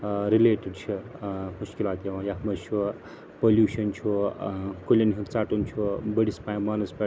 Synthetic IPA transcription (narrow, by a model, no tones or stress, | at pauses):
ɾileːʈiɖt͡ʃʰimuʃkilaːt̪jɐʋãjaɦmɐt͡ʃʰu | poljuːʃʰɐnt͡ʃʰukolʲeniɦut͡saːʈunt͡ʃʰubəɽispajmaːnɐspa